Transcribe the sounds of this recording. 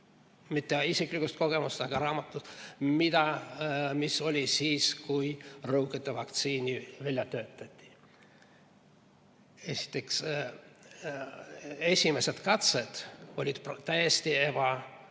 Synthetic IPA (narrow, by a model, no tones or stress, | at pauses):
mit̪ːeisiklikust̪ko̞ɡ̥e̞must̪ɑɡ̥ɑɾɑːmɑt̪ːˑut̪mid̪̥ɑ | miso̞lʲisiːskujrɤwket̪ːˑevɑkt̪siːnʲivælʲjɑt̪ø̞ːt̪ːˑɑt̪ʲːi̥ | e̞si̥t̪ːˑe̞ks | e̞sʲime̞se̞d̪̥kɑt̪sed̪̥o̞lʲid̪̥pt̪æjest̪ie̞b̥ɑ